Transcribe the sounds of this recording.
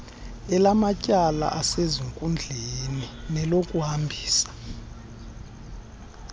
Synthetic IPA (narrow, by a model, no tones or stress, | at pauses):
ɛlamacʼala̰ʔaseziŋkʼund͡ɮʱeninɛlokʼuhambʱiːsḁ